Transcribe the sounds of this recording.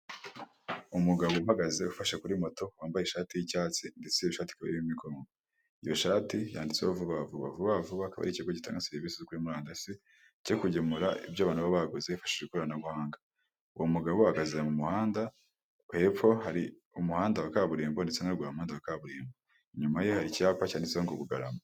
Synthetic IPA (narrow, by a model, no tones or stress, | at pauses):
umuɡaβohaɡazeufaʃekuɾimo̞to̞waːmbajeʃaːtijicaːt͡sindet͡seiʃaːti̥kaβa̰iimikoːŋɡo | ijo̞ʃaːtija̰ːndit͡seβavuβavuβa̰vuβavuβakaβa̰ɾiciɡoɟita̰ːŋɡaseɾiviːsizikuɾimuɾaːndasi | cekuɟemuɾaḭbjaːβaːn̥uβaβaɡozeufḁʃid͡ʒekuɾanaβuhaːŋɡa | uwomuɡaβohaɡaziɾamumuhaːnda | hepo̞haɾi | umuhaːndawakaβuɾiːmbo̞ndet͡senaɡaɾomuhaːndawakaβuɾiːmbo | ɲumaje̞haɾicaːpacaːndeseoŋɡoβuɡa̰ɾa̰ma